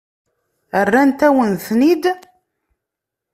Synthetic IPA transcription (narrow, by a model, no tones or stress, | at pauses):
ərːænt̪æwənθnid̪